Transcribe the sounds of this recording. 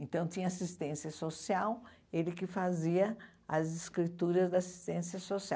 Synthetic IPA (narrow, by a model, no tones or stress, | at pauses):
ẽnt̪ɐ̃w̃t̪ĩɲɐasist̪ẽsjɐsosiaw | elɪkɪfaziɐ | ɐzɪskɾit̪uɾɐzd̪ɐasi̥st̪ẽsiɐsosiaw